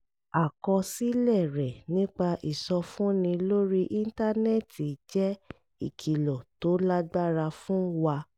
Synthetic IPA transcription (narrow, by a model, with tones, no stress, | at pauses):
a˨kɔ˧si˦lɛ˦˨ɾɛ˨nĩ˦k͡pa˧ʔi˨sɔ˧fũ˦nĩ˧lo˦ɾi˦ʔi˦n̩˦ta˦nɛ˦˨ti˨d͡ʒɛ˦ | i˦˨kʰi˨lɔ˨to˨˦la˦ɡ͡ba˦ɾa˧fũ˦wa˧